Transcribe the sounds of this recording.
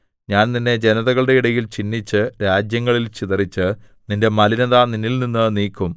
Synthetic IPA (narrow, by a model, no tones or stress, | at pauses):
ɲaːnt̪inːe̞d͡ʑenɐðɐɣɐɭɨɽe̞iɽɐjilt͡ɕinːit͡ɕːɨɾaːd͡ʑjɐŋːɐɭilt͡ɕiðɐrit͡ɕːɨ | ninde̞mɐlinɐðaninːilninːɨniːkːum